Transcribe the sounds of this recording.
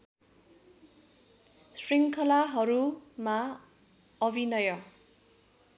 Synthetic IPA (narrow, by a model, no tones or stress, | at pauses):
sriŋkʰʌlaɦʌɾuma | ʌbʱinʌjʌ